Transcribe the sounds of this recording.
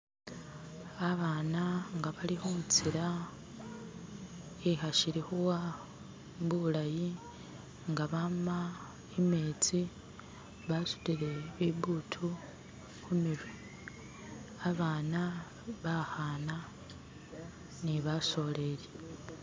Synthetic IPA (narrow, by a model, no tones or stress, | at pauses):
aβaːnaŋɡaβalihumut͡siɾa | exaʃiɾihuwa | mbulaji | ŋɡaβama | emeːt͡si | βasu̥tiɾeβiβuːtʰu | xumiβi | aβaːna | βahaːna | niβaso̞le̞ɾje